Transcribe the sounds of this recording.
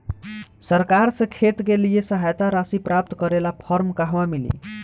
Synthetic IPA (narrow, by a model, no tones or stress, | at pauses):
sʌɾkaɾsʌ̃kʰet̪kelijesəɦajt̪aɾasipɾap̚t̪kʌɾelapʰʌɾmkaɦwamilḭ